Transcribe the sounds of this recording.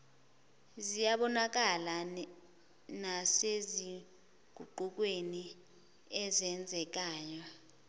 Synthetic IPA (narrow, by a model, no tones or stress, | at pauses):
zijaɓɔnak̬ala | nasezi | ɡ̥ʱuǃuk̬weni | ɛzɛnd͡zʱɛk̬aːjɔ